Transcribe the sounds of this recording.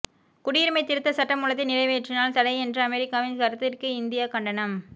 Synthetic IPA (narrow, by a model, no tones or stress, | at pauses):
kʊɽɪjɪɾmɐɪt̪ːɪɾɯt̪ːɐsɐʈːɐmuːlɐt̪ːɪnɪlɐɪʋeːʈrɪnaːlt̪ɐɽɐɪɛndrɐɐmɛɾɪkːaːʋɪnkɐɾɯt̪ːɪrkɯɪnd̪ɪjaːkɐɳɖɐnɐm